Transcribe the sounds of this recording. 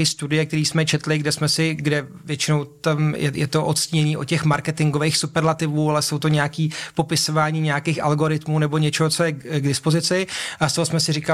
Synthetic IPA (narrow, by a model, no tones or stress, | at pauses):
iːst̪udɪjɛk̚t̪ɛɾiːsmɛt͡ʃɛt̪lɪɡdɛsmɛsɪɡdɛvjɛt͡ʃɪnowt̪amjɛjɛt̪o̞ʔot̪sciːɲɛɲiːʔocɛxmaɾkɛt̪ɪŋɡovejxsupɛɾlat̪ɪvuːalɛsowt̪o̞ɲɛakiːpo̞pɪso̞vaːɲiːɲɛjakeːxʔa̰lɡo̞ɾɪt̪muːnɛbo̞ɲɛt͡ʃɛɦot͡sojɛɡdɪspozɪt͡sɪʔast̪oɦosmɛsɪrika